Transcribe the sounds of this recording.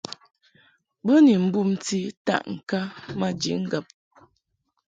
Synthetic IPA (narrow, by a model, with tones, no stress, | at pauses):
bə˦ni˨m̩˦bu˦˨mti˦ta̰˦˨ʔŋ̩˨ka˦ma˦d͡ʒḭ˨ŋ̩˦ɡə˨p̚